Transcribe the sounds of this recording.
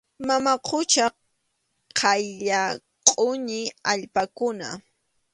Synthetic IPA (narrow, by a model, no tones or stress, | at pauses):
mamaqʰʊt͡ʃa | qʰɑjʎa | qʼʊɲɪaʎpakʊna̰